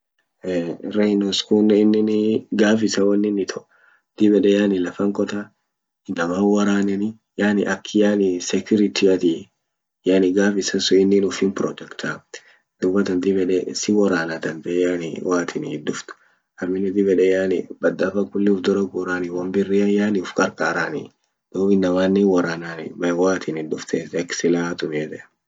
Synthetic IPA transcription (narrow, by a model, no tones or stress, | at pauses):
ɾɛnoskunːɛɪnːɪnɡaːfɪsɐwɐnːɪnːɪt̪ʰɔʔ | d̪̥ɪbɛᶑɛjaːnɪlɐfɐŋkɔt̪ɐ | nɐmawɐɾaːnɛnɪ | jaːnɪʔɐkʰːɪjaːnɪsɛkjʊɾɪt̪ʰɪɐt̪ɪ | jaːnɪɡaːfɪsɐsʊɪnːɪnʊfɪnpɾɔt̪ɛkt̪ʰa | d̪̥ʊbːɐt̪ɐnt̪ɪbɛᶑɛsɪwɔɾaːnɐt̪ɐnt̪ɛjaːnɪwʔaːt̪ʰɪnd̪ʊft̪ʊ̥ | ɐɾmɪnɛt̪ɪbɛᶑɛjaːnɪ̰bɐd̪ːɐfɐkʊlːɪʊfd̪ɔɾɐɡʊːɾaːnɪwɐmbɪrːɪɐjaːnɪʊfkɐɾkʼaːɾaːnɪ | d̪̥oːbɪnːɐmaːnːɪwɐɾaːnaːnɪ̰bɐwaːt̪ʰɪnɪd̪ʊft̪ʰesɛksɪlaːt̪ʊmɛt̪ɛ